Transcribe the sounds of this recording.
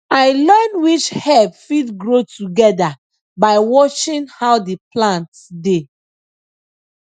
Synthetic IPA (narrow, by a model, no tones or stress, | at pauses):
aɪlɜnwit͡ʃhɛpfidɡɹotuɡɛda | baɪwɔt͡ʃĩnhawdeplãnt | de